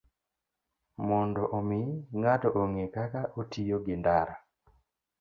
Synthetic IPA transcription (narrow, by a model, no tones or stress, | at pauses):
mɔndɔʔomɪŋatɔʔoŋekakaʔotijoɡɪndaɾa